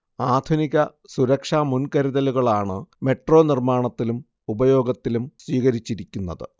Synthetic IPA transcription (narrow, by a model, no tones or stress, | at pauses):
aːd̪ʱuniɣɐ | suɾɐkʂaːmunkɐɾiðɐluɣɐɭaːɳɨme̞ʈro̞ːnirmaːɳɐt̪ːilum | ubɐjo̞ːɡɐt̪ːilumsʋiːɣɐɾit͡ɕːiɾikʲːunːɐðɨ̰